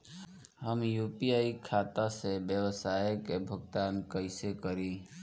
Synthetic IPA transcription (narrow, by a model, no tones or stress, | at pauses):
ɦəmjuːpiaːikʰaːt̪asebjəʋəsaːjkebʱəɡt̪aːnkəɪsekəɾi